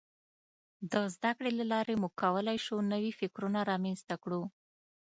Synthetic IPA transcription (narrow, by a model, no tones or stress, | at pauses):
d̪əzd̪akɽelalɑɾemuɡ̚kːawəlajʃunəwifɪkɾunaɾɑmenst̪akɽu